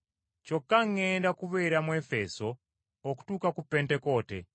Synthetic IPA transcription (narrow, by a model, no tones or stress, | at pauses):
t͡ʃokːaŋːɛndakuβɛɾamwɛfesɔː | ku̥tukakupɛntɛkɔtɛ̰